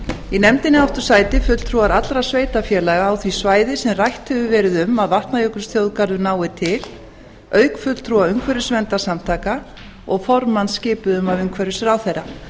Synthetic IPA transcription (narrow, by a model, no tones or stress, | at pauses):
inɛmt̪ɪnːɪawft̪ʏɾ̥saːjt̪ɪfʏl̥t̪ʰɾuaɾat̪lɾḁsveːjt̪afjɛːlaɣaːwθvisvaːjðɪsɛmrajht̪hɛvʏvɛːɾɪðʏmaðvaht̪najœk̪ʏ̥ɾst̪θjowðkaɾðʏnaːwɪt̪ʰɪl̥ | œːɥkfʏl̥t̪ʰɾuaʏmkʰvɛɾjʏsvɛnt̪asamt̪ʰaːka | ɔɣfɔɾmanscɪːpʏðʏmavʏŋkʰvɛɾʏsɪɾawθejɾa